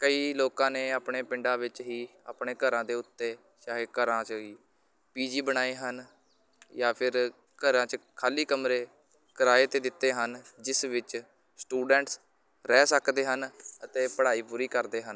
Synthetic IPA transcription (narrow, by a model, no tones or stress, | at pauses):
kəiːloːkãːneːaːpɳeːpɪɳɖãːʋɪt͡ʃɦiːa̰ːpɳeːkəɾãːd̪eːʊt̪ːeː | ʃaːɦekəɾãːt͡ʃɦiː | piːd͡ʒiːbəɽ̃aːeːɦən | jaːpʰɪɾ | kəɾãːt͡ʃkʰaːliːkəmɾeː | kəɾaːeːt̪eːd̪ɪt̪ːeːɦənd͡ʒɪsʋɪt͡ʃ | sʈuːɖəɳʈs | ɾɛːsəkd̪eːɦənət̪eːpəɽaːiːpuːɾiːkəɾd̪eːɦən